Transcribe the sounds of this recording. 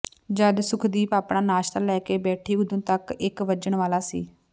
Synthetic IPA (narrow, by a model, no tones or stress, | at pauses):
d͡ʒəd̪sʊkʰd̪iːpaːpɳaːnaːʃt̪əlɛːkeːbɛːʈʰiːɡʊd̪ʊ̃ːt̪əkɪkʋəd͡ʒəɳʋaːlaːsḭː